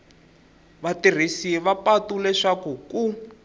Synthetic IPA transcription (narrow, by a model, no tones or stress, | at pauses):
βatir̤isiɛβapatulɛʂakuku